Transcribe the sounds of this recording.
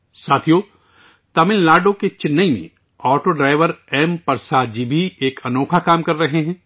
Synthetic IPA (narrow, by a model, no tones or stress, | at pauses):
saːt̪ʰijoː | t̪ɐmɪllaːɖõket͡ʃɪnːəimḛ̃ | ɔːʈoɖɾaːɪʋəɾɛːmpɐɾsaːd̪̚d͡ʒibʱieːkʰɐnɔːkʰakaːmkɐɾːɐɦeɦɛ̃ː